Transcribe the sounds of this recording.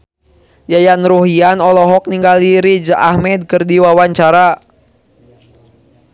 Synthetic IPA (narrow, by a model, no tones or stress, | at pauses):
jajanɾuɦianɔlɔɦɔk̚niŋɡaliɾid͡ʒʔahmɛd̪̚kərdiwawaɲt͡ʃaɾa